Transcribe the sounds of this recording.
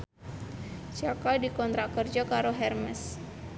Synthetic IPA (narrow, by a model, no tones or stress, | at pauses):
t͡ʃakadikɔnt̪ɾakərd͡ʒakaɾoɦɛrməs